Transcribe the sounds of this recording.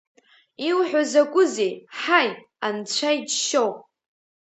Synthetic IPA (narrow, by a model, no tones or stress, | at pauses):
iwħʷᶣazakʷʼʊzejħaj | ant͡ɕʷʰajdʃow